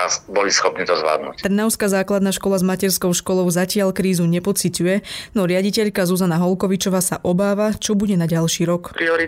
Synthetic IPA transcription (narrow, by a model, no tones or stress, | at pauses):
asbɔlisxɔpniːt̪ɔzʋla̰ːd̪nṵct̪r̩naʊskazaːklad̪naːʃkɔlazmacɛɾskɔʊʃkɔlɔʊzacɪaʎkɾiːzuɲɛpɔt͡sicujɛnɔɾɪaɟicɛʎkazuzanaɦɔlˠkɔʋit͡ʃɔʋaːsaʔɔbaːʋat͡ʃɔbuɟɛnaɟalˠʃiːɾɔkpɾiɔɾi